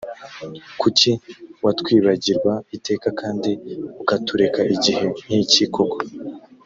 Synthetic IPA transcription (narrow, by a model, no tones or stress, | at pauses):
kʰuciwatwiːβaɟiɾɡwaite̞ːkakʰaːndiukatuɾe̞kaʔiɟihe̞nicikʰoɡa